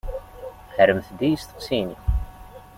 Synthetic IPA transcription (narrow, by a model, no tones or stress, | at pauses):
həɾəmθd̪ijist̪ə̥qsini